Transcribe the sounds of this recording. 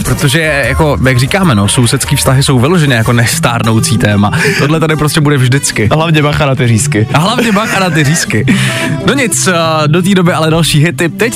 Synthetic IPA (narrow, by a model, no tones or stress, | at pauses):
pɾot̪oʒɛjako̞jaɡriːkaːmɛno̞so̞wsɛt̪skiːfst̪aɦɪso̞wvɪlo̞ʒɛnɛːjako̞nɛst̪a̰ːɾno̞wt͡siːt̪ɛːmat̪odlɛt̪adɪpɾoscɛbudɛvʒdɪt͡skɪɦlavɲɛbaxanat̪ɪɾiːskɪaɦlavɲɛbaxanat̪ɪriːskɪ | no̞ɲɪt͡sdot̪̬iːdo̞bɪʔalɛdalʃiːɦɪt̪ɪp̚t̪ɛc